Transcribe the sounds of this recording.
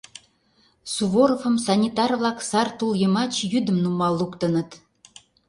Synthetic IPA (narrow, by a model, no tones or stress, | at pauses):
suβoɾofə̆msɑnʲit̪ɑrvlɑksɑrt̪uljɤmɑt͡ɕjyd̪ə̆mnumɑlˠːukt̪ə̆nə̆t̪